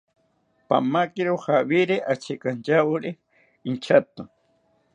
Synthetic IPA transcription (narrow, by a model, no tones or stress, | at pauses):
pa̰makɪɾoxaβiɾeʔat͡ʃekant͡ʃawɾe | int͡ʃʰat̪o